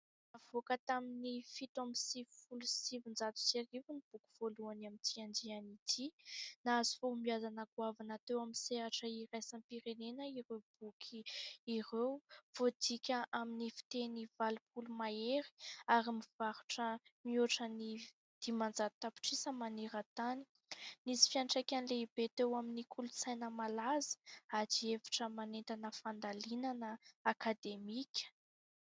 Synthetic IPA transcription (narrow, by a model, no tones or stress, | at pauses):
avokət̪aminifit̪amisivifulusivind͡zat̪u̥seɾivunib̥ukʲu̥v̥oluanamit̪ʰiand͡ʒianit̪ʰinaazi̥foumiazanaɡuavanat̪ewamiseɦaʈ͡ʂəiɾajsampiɾenenəiɾewb̥ukʰiirewv̥od̪ikʲəʔaminifi̥t̪enivalip̚ulumaeɾi̥aɾimiv̥aɾuʈ͡ʂəmioʈ͡ʂəni | d̪̥imand͡zat̪api̥ʈ͡ʂisəmaniɾət̪ani̥ | nisi̥fianʈ͡ʂakʲanileibet̪ewaminikʰulut͡sajnəmalazə̥ad͡ʒievḁʈ͡ʂəmanent̪anəfand̪alinanəakad̪emikʲə̥